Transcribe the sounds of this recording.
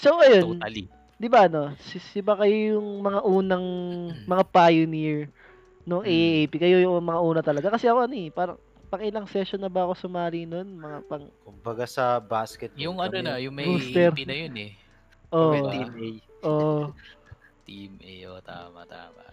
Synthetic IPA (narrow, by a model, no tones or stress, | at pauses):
sowʔɐjo̞nl | d̪ɪbaʔɐno̞sɪsɪbakɐjojʊŋmɐŋaʔuːnɐŋmɐŋapajoniɹ | noŋʔeʔejpikɐjo̞jʊŋŋmɐŋaʔuːnɐt̪ɐlɐɡakɐsɛʔɐko̞ɐnoɛpaːɾɐ̰ŋ | pɐŋʔɪlaŋsɛʃonːɐbɐɐko̞sʊmaːlino̞nmɐŋapɐŋkʊmbɐɡasɐbaskɛt̪̚jʊŋɐonɐjʊŋmɐuːst̪ɛɾnɐjonɛ | ʔoʔ̪imejʔoʔ | t̪imʔejo̰t̪a̰ːmɐ̰ʔt̪a̰ːmɐ̰ʔ